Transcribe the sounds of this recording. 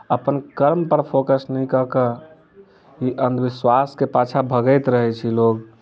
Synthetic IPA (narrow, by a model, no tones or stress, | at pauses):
əpənkəɾmpəɾpʰokəsnəjkəkə | iʔənd̪ʋiswaskepat͡ʃʰabʱəɡəjt̪ɾəɦɛt͡ʃʰiloɡ